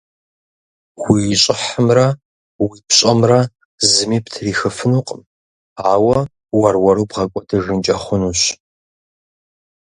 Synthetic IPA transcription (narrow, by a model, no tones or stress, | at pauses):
wiɕʼɪħəmrɐ | wiːpɕʼɐmrɐ | zɨmiːptʰriːxɨfɨnuːqʼm | aːwɐ | wɐrwɐɾuːbʁɐkʷʼɔdɨʒɨnt͡ʃʼɐχʷʊnuɕ